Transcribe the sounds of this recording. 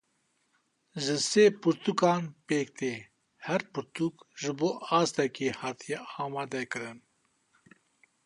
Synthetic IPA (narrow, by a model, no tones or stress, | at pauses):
ʒɨseːpɨɾt̪ukɑːnpeːk̚t̪eː | hɛɾpɨɾt̪ʰukʒɨboːʔɑːst̪ɛkeːhɑːt̪ʰijɛɑːmɑːd̪ɛkɨɾɨn